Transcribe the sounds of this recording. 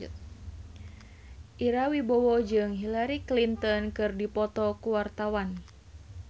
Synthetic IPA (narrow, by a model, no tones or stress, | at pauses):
ʔiɾawibɔwɔd͡ʒɨŋɦilaɾiklint̪ɔnkɨrdipɔt̪ɔkuwart̪awan